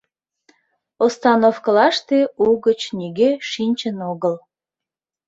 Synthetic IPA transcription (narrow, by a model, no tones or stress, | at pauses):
ost̪ɑnofkəlɑʃt̪euɣət͡ɕnʲiɡeʃinʲt͡ɕənoɣəl